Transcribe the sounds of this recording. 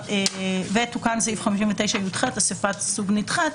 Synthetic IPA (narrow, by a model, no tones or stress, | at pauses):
evet̪ukanseifχamiʃ̬iɱvet̪ejʃajutχatasifat̪suɡnitχat